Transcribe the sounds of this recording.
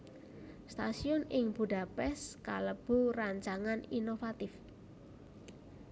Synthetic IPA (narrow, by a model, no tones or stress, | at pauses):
st̪asiɔnɪŋb̥ṳɖa̤pɛskaləb̥ṳraɲt͡ʃaŋaninofat̪ɪf